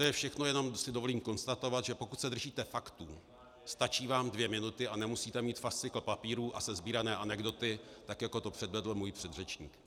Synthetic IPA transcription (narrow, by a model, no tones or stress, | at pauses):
t̪ojɛfʃɛxnojɛno̞msɪdo̞voliːmko̞nst̪at̪o̞vat̪ʒɛpo̞kut̪sɛd̪r̩ʒiːt̪ɛfakt̪u | st̪at͡ʃiːvaːmdvjɛmɪnut̪ɪʔanɛmusiːt̪ɛmiːt̪fast͡sɪkl̩papiːɾuːʔasɛzbiːɾanɛːʔanɛɡdo̞t̪ɪt̪akjako̞t̪o̞pr̥ɛdvɛdl̩muːjpr̝̥ɛd̪rɛt͡ʃɲḭːk